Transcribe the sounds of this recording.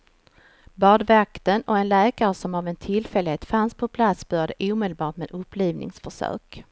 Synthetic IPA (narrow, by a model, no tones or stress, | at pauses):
bɑːɖvakt̪ənɔɛnlɛːkaɾəsɔmavɛnt̪ʰɪlfɛlːɪheːt̪fanspʰɔpʰlat̪sb̥œːɾjad̪əʔuːmɛːd̪əlbɑːʈmeːd̪ɵpːliːvnɪ̰ŋsfœʂœ̰ːk